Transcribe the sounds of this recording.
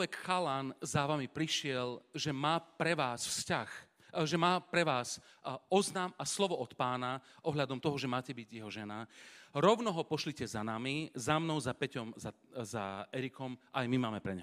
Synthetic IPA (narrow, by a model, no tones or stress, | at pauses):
ɛkxalanzaʋamipɾiʃɪɛlʒɛmaːpɾɛʋaːsfscax | ʒɛmaːpɾɛʋaːsɔznaːmaslɔʋɔɔt̪paːnaʔɔɦlad̪ɔmt̪ɔɦɔʒɛmaːcɛbiɟjɛɦɔʒɛnaɾɔʊnɔɦɔpɔʃlicɛzanaːmizamnɔʊzapɛcɔmza | zaɛɾikɔmʔajmimaːmɛpɾɛɲ